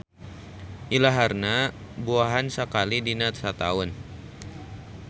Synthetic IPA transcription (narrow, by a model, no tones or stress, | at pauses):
ʔilaɦarna | buaɦansəkalidinat̪sat̪a̰ʊn